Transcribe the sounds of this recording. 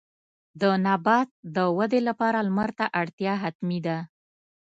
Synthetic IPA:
d̪ənabɑt̪̚d̪əwad̪elapɑɾalmaɾt̪aʔaɽt̪jɑɦat̪mid̪a

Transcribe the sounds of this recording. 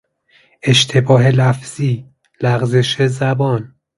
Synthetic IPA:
e̞ʃt̪ʰe̞bɒːɦe̞læfz̥iː | læɣze̞ʃezæbɒːn

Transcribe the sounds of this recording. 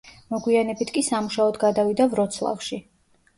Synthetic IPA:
mɔɡwianɛbit̪ʰkʼisamuʃaɔd̪ɡad̪avid̪avɾɔt̪sʰlˠa̰fʃi

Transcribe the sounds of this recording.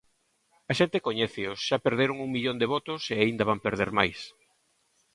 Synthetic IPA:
ɐʃent̪ekoɲɛθɪosʃapeɾðeɾoŋuŋmiʎond̪eβɔt̪oseaind̪ɐβampeɾð̞eɾmajs

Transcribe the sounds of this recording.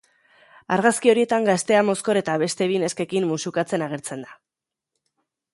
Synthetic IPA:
aɾɣaskio̞ɾie̞t̪aŋɡast̪e̞amo̞sko̞ɾe̞t̪aβe̞st̪e̞βine̞ske̞kimːusukat͡se̞naɣ̞e̞ɾt͡se̞nd̪a

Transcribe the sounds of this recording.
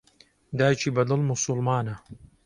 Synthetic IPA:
d̪aːjt͡ʃʰiːbɐd̪ɨlmʊsʊlmaːnɐ

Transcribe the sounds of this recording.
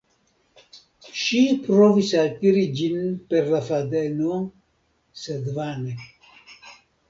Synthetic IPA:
ʃipɾovisakiɾid͡ʒinpeɾlafad̪eno | sed̪vane

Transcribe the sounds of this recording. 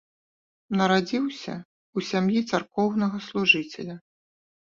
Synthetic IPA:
nɐɾad͡zʲiwsʲɐ̰ | usʲamjit̪sarkɔwnɐɣɐslˠuʐɨt͡sʲɛ̰lʲɐ

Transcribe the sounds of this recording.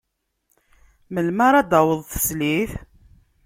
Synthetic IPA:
məlmaɾˤad̪ɑwəðˤθə̥sliθ

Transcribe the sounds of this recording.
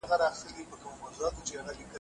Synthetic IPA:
aɣaɾɑxɪst̪əlipəkəmomazuɑt̪ket͡ʃeaɣalikə

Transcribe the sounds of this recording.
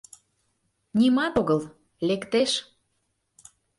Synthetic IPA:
nʲimɑt̪oɣəl | lekt̪eʃ

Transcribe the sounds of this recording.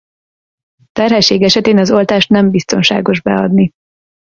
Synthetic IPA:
t̪ɛrɦɛlʃːeːɡɛʃɛt̪eːnɒzo̞lt̪aːʃt̪nɛmbist̪o̞nʃa̰ːɡo̞ʒbɛɒd̪ni

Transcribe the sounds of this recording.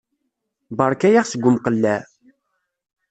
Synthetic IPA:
bɑɾˤkæjaχsəɡʷːʊmqəlːæ

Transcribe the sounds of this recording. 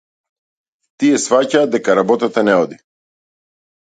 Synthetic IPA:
t̪iɛsfacaːd̪d̪ɛkaɾabɔt̪at̪anɛɔd̪i

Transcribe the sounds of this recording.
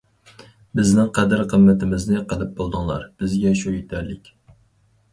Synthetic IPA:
bɪznɪŋqʰɛd̪ɪɾqʰəmːɛt̪ʰɪmɪznɪqʰəlˠɨp̚bolˠd̪ɨŋlˠɑ̰ɾb̥ɪzɡʲɛʃuit̪ʰæɾlɪkʲ

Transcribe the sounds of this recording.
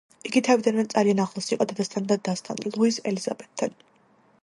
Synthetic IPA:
iɡit̪ʰavid̪anmɛt̪zʼalianaχlˠasiqʼɔd̪ad̪ast̪ʰand̪ad̪ast̪ʰʼa̰nlˠuisɛ̰liz̥a̰bɛt̪̚ʰd̪an

